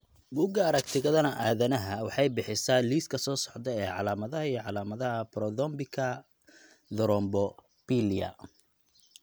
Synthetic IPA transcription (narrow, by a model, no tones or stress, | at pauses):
bʊɡɐːɾɐkt̪ʰɪɣɐðɐnɐʔaːðɐnɐɦɐwɑħɑjbɪħɪsaːliːskʰɐsɔːsɔ̥ʕd̪ɛɛːʕɑ̰laːmɐðɐɦɐijɔʕɑlaːmɐðɐɦɐpɾɔðɔmbɪkʰɐ | ðɔɾɔmbɔ | piːlijɐ̰